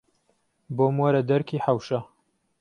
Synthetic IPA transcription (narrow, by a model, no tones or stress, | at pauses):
boːmwɐɾɐd̪ɐɾkʰiːħawʃɐ